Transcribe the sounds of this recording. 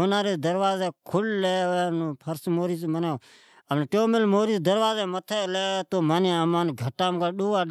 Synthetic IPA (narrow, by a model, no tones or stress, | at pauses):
onãːɾed̪əɾʋaːzeːkʰʊlːleːeːnːpʰəɾsmoːɾiːsmənõː | əmneʈoːmɪlmoːɾiːsd̪əɾʋaːzeːmət̪ʰeːleːeːt̪oːmanamaːnɡʱəʈːaːmkaːɗoːaː